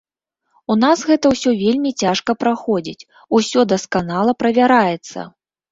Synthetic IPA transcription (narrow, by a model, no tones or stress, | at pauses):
unasɣɛt̪ɐwsʲɔvʲelʲmʲit͡sʲaʂkɐpɾaxɔd͡zʲḭt͡sʲ | usʲɔd̪ɐskanalˠɐpɾɐvʲaɾajɛt̪sːɐ̰